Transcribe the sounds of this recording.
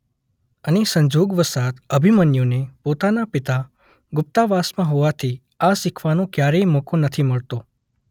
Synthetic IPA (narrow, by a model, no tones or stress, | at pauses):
ənesəɲd͡ʒoɡʋəsat̪əbʱimənjonepot̪anapɪt̪a | ɡʊp̚t̪aʋasmãɦoʋat̪ʰi | asɪkʰʋanõkjaɾeimokʰõnət̪ʰiməɭt̪o